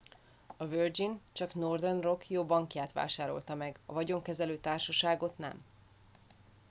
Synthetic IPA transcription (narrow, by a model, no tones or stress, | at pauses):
ɒvørd͡ʒint͡ʃɒknord̪ɛnro̞kjoːbɒŋkjaːt̪ʋa̰ːʃaːɾo̞̰lt̪ɒmɛɡɒ̰vɒɟo̞ŋkɛzɛløːt̪aːrʃɒʃaːɡo̞t̪nɛ̰m